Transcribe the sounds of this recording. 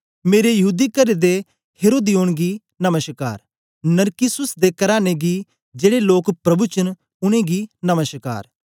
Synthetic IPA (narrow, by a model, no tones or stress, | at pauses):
meːɾejɐɦuːd̪ikɐɾed̪e | heːɾoːd̪ijoːɽ̃ɡi | nɐməʃka̰ːɾ | nɐɾkɪsʊsd̪ekɐɾaːneɡi | d͡ʒeːɽeloːkpɾɐbut͡ʃən | ʊɽ̃ẽɡinɐməʃka̰ːɾ